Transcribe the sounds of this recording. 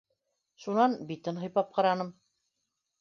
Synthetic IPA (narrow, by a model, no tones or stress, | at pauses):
ʃunɑnbit̪ɘnɦɤ̆jpɑp̚qɑ̆ɾɑnɤm